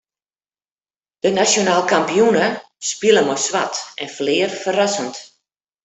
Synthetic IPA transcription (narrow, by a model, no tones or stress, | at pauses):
d̥ənasjonaːlˠkampijunə | spilˠəmɔjsʋatɛnflɪːrfərasənt